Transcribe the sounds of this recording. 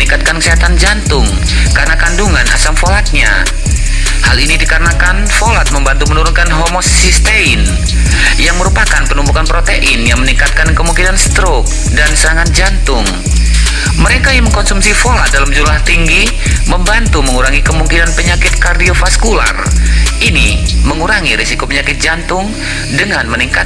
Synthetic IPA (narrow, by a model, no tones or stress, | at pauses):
iŋkat̪̚kankəsiɦat̪and͡ʒant̪ʊŋ | kaɾənakanduŋana̰samfolat̪̚ɲa̰ | halinidikaɾənakanfolat̪̚məmbant̪umənuɾʊnkanɦomossist̪eɪn | jaŋməɾupakanpənumbukanpɾot̪eʔɪnjaŋməniŋkat̪̚kankəmuŋkinanst̪ɾʊk̚ | dansəɾaŋand͡ʒant̪ʊŋ | məɾekajaŋməŋkɔnsumsifolat̪̚dalamd͡ʒumlaht̪iŋɡi | məmbant̪uməŋuɾaŋikəmuŋkinanpəɲakɪt̪̚kardiofaskula̰riniməŋuɾaŋiɾisikopəɲakɪt̪̚d͡ʒant̪ʊŋ | dəŋanməniŋka